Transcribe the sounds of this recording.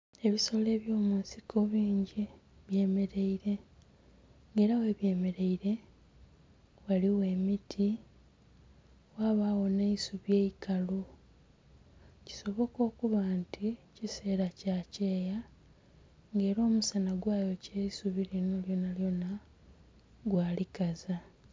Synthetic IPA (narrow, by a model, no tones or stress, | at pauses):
e̞βiso̞le̞ːβjo̞ːmuːnsikʰo̞βiːɲɟi | βje̞ːme̞ɾe̞iɾe̞ | ŋɡe̞ːɾawe̞ːβje̞ːme̞ɾe̞iɾe̞ | waliwe̞ːmitʰi | waβawo̞neisuβje̞ːikalu | ci̥so̞βo̞ko̞ːkuβaːntʰicise̞ːɾacace̞ːja | ŋɡe̞ːɾo̞ːmusanaɡwaːjo̞ceisuβilino̞ljo̞naljo̞na | ɡwaːlikaza